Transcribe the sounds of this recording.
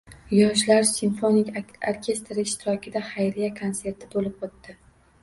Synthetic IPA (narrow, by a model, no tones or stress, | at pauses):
jɒʃlaɾsinfonɪkʰʲaɾkʲʰe̞st̪ɾɪɪʃt̪ʰɪɾɒkʲʰɪd̪ahajɾijakʰonse̞ɾt̪ʰɪbolɪp̚ot̪ːɪ